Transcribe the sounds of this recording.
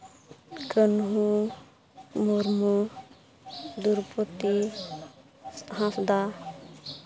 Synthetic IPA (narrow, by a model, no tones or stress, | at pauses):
kənɦu | moɾmu | d̪uɾpot̪i | sɦãfd̪a